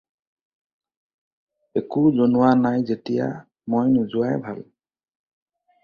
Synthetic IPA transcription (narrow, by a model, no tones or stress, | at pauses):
ekuzonuwanajzetija̰ | mojnʊzʊajbʱa̰l